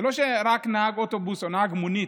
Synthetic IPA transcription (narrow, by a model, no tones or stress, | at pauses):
lɔʃɛɾaknaɡɔtɔbusɔnaɡmuni